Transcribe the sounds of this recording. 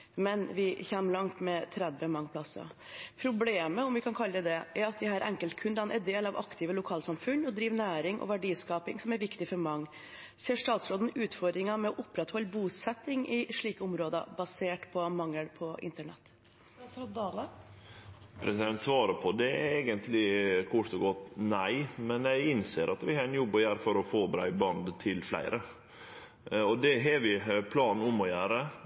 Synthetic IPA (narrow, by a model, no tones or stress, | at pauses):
mɛnʋɪçɛːmlɑŋt̪mɛt̪ʰɾɛd̪ʋəmɑŋːpʰlɑsə̰ | pʰɾʊbleːməɔmʋɪkʰɑnkʰɑləd̪ɛd̪ɛʔæɾɑt̪̚d̪ɪhɑːɾʔɛŋkəlt̪̚kʰʉnd̪ɑnʔɛɾd̪eːlɑʋɑ̰kt̪ʰɪʋəlʊkʰɑːlsɑmfʉnɔd̪ɾiːʋnæːɾɪŋʔɔ̰ʋæɖiːskɑːpɪŋsɔmæɾʋɪkt̪ɪfɔɾmɑŋː | seːʂt̪ɑːt̪sɾoːd̪n̩ʉːt̪fɔɾd̪ɾɪŋɑmɛɔʔʊpːɾɛt̪hɔlːəbuːsɛt̪ːɪŋɪʂɭiːkəʊmɾoːd̪ə̰bɑseːʈpʰɔmɑŋːəlpʰɔʔɪ̰nt̪əɳɛ̰t̪ː | d̪ɑːlə | pʰɾɛsɪd̪ɛnt̪sʋɑːɾəpʰɔd̪ɛæɛːɡənt̪ʰlɪkʰuʈ̪ɔɡɔt̪ːnæɪmɛnjæɡɪnseːɾʔɑt̪ʋɪhɑːɾɛnjɔbːɔjæːɾfɔɾɔfoːbɾæ̰ɪbɑnd̪t̪ʰɪlflæ̰ɪɾə | ɔd̪ɛɦɑʋɪpʰlɑːn̩ʊmɔjæːɾə